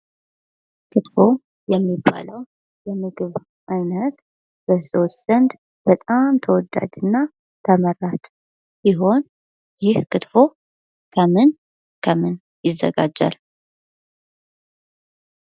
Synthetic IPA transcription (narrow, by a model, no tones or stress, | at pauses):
kʰɨt̪fo̞ | jɛmːibːa̰ləw | jɛmːɨɡɨβ | ʔɨnət̪ | bəsotz̥ənd̪ | b̥ət̪ʼamt̪ʰəwɔd̪a̰d͡ʒ̪ɨnːa | t̪ʰəmərat͡ʃ | siɦo̞n | jɪhkɨt̪fo̞ | kʰəmɨn | kʰəmɨn | jɪzːə̰ɡad͡ʒa̰l